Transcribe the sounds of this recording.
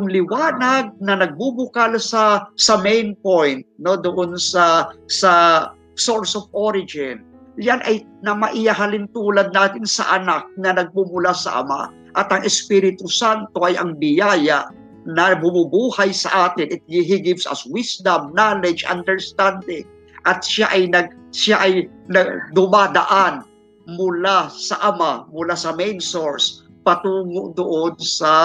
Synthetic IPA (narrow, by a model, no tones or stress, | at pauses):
ʊŋlɪwaːnɐɡ̚nɐnɐɡ̚bubʊkalsɐsɐmɛjnpojnt̪̚no̞d̪oʔonsɐsɐ | so̞ɹsovoɾɪd͡ʒɪn | janʔɐjnɐmɐʔɪjɐɦɐlɪnt̪uːlɐd̪̚naːt̪ɪnsɐ̰ʔɐnak̚nɐnɐɡ̚mumʊlasɐ̰ʔɐ̰ma̰ | ʔɐt̪ɐŋɛspiɾɪt̪ʊsant̪o̞ʔɐjʔɐŋbɪjajaʔ | nɐbʊmʊbuːhɐjsɐʔaːt̪ɪnɪt̪̚ɡɪɦiɡɪvsɐ̰swisd̪ɐmnalɛd͡ʒɐ̰nd̪ɛɹst̪and̪ɪŋ | ʔɐt̪̚ʃaʔɐjnɐɡ̚ʃaʔɐjnɐd̪ʊmad̪ɐ̰ʔan | mʊlasɐʔɐmamʊlasɐmɛjnsoɹs | pɐt̪uːŋod̪ʊʔonsɐ